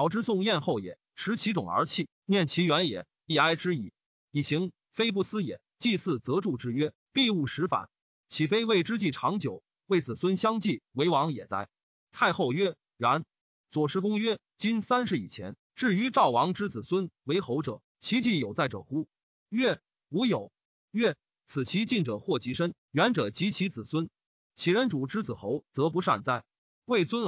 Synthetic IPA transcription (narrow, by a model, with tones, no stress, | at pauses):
ɑ˧˥ʊʈ͡ʂɻ̩˥sʊ˥˧ŋjɛ˥˧nxo˥˩ʊjɛ̰˨˩˦ | ʂʰɻ̩˧˥t͡ɕʰi˧˥ʈ͡ʂʊ˨˩ŋə̰˞˧˥t͡ɕʰi˥˩ | njɛ˥˩nt͡ɕʰi˧˥ɥɛ˧˥njɛ̰˨˩˦ | i˥˩a˥ɪʈ͡ʂɻ̩˥i˨˧˩ | i˨˩ɕi˧˥ŋ | fe˥ɪp̬u˥˩sɹ̩˥jɛ̰˨˩˦t͡ɕi˥˧sɹ̩˥˩t͡sɤ˧˥ʈ͡ʂu˥˧ʈ͡ʂɻ̩˥ɥɛ˥ | pi˥˧u˥˩ʂɻ̩˧˥fa̰˨˩˦n | t͡ɕʰi˨˩fe˥ɪwe˥˩ɪʈ͡ʂɻ̩˥t͡ɕi˥˩ʈ͡ʂʰɑ˧˥ŋt͡ɕjo˨˩˦ʊ | we˥˩ɪt͡sɹ̩˨˩swə˥nɕjɑ˥ŋt͡ɕi˥˩we˧˥ɪwɑ˧˥ŋjɛ˨˩t͡sa̰˥˩ɪ | t̪ʰa˥˧ɪxo˥˧ʊɥɛ˥ | ɥa˧˥n | t͡swɔ˨˩ʂɻ̩˥kʊ˥ŋɥɛ˥ | t͡ɕi˥nsa˥nʂɻ̩˧i˨˩t͡ɕʰjɛ̰˧˥n | ʈ͡ʂɻ̩˥˩y˧˥ʈ͡ʂɑ˥˩ʊwɑ˧˥ŋʈ͡ʂɻ̩˥t͡sɹ̩˨˩swə˥nwe˧˥ɪxo˧˥ʊʈ͡ʂɤ̰˨˩˦ | t͡ɕʰi˧˥t͡ɕi˥˩jo˨˩ʊt͡sa˥˩ɪʈ͡ʂɤ̰˨˩xu˥ | ɥɛ˥˩ | u˧˥jo˨˩ʊ | ɥɛ˥˩ | t͡sʰɹ̩˨˩t͡ɕʰi˧˥t͡ɕi˥˩nʈ͡ʂɤ˨˩xwɔ˥˩t͡ɕi˧˥ʂə˥n | ɥɛ˧˥nʈ͡ʂɤ˨˩t͡ɕi˧˥t͡ɕʰi˧˥t͡sɹ̩˨˩swə˥n | t͡ɕʰi˨˩ɻə˧˥nʈ͡ʂu˨˩ʈ͡ʂɻ̩˥t͡sɹ̩˨˩xo˧˥ʊt͡sɤ˧˥p̬u˧˥ʂa̰˥˩nt͡sa̰˥˩ɪ | we˥˩ɪt͡swə˥n